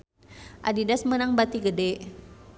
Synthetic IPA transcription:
ʔadidasmənaŋbat̪iɡədɛʔ

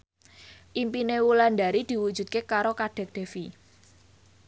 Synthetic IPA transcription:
ʔimpinewuland̪aɾid̪̥i̤wu̥ʒ̥ṳt̪̚kekaɾokaɖ̥ɛ̤k̚d̥ɛ̤fi

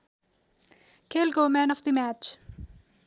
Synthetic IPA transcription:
kʰelɡomɛ̃nɔvd̪imæt͡ʃ

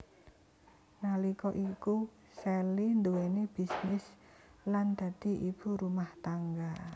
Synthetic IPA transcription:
nalikɔʔiku | sɛlind̪uweneb̥i̤snɪs | land̪̥a̤d̪̥i̤ʔib̥ṳɾumaht̪aŋɡa

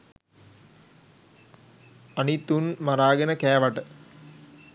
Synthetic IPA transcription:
ɐnit̪unmɐɾaːɡɐnɐkɛːɐʋɐʈɨ

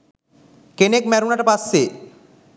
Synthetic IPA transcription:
kenekmɛɾunaʈapasːe

